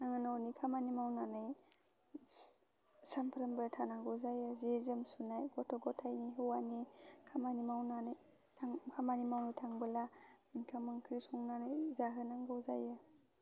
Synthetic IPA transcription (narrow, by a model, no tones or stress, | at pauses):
aŋanawnikʰamanimawnanɯj | sampʰɾambajtʰanaŋɡɯwzajazezemsunajɡɔtʰɔɡɔtʰajniɦɯwanikʰamanimawnanɯjʰ | akʰamanimawnɯtʰaŋbɯlakʰamaŋkʰɾisɔŋnanɯjzaɦanaŋɡɯwzaja